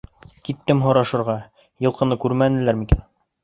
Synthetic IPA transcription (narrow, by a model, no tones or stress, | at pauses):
kit̪ːɘmɦŏɾɑʃɤ̆ɾʁɑ | jɤ̆lˠqɤ̆nɤkʉɾmænɘ̆læɾmikæn